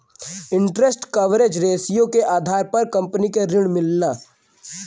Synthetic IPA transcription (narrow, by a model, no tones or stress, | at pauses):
ɪ̃ɳʈɾesʈkɐʋɾed͡ʒɾeːsijõkeʔaːd̪ʱaːɾpɐɾkɐ̃mpnikeɾɪɽmɪlnaː